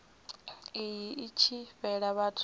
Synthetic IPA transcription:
ijiit͡ʃʰiɸɛɺaβatʰʼ

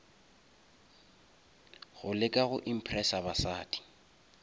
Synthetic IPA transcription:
ɣʊlɪkʼaɣʊʔim̩pʰrɛsabasaːdʼi̥

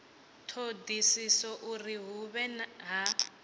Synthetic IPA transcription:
tʰodisisɔʔuriɦuβɛnɦa

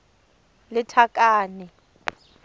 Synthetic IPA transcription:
lɪtʰakʼaːnɛ

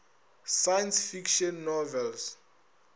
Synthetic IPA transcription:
sajɛnsfikʃɔ̃nːɔvɛls

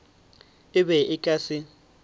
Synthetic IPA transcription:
ɪbɛɪkʼasɪ

